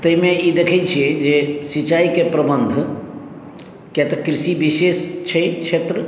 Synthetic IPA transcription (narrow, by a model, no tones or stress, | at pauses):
t̪əimeid̪ekʰɛt͡ʃʰied͡ʒesit͡ʃaikepɾəbənd̪ʱ | kjat̪ɔkɾisibisest͡ʃʰəjt͡ʃʰet̪ɾə